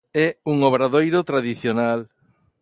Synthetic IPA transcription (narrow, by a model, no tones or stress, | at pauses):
ɛuŋoβɾaðojɾot̪ɾaðiθjonal